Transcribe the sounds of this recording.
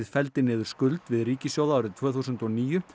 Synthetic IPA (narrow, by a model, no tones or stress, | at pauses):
ðfɛlt̪ɪnɪːðʏɾ̥skʏlt̪vɪðriːcɪsjoːwðaːwɾɪðt̪ʰv̥œːθusʏnt̪ɔniːjʏ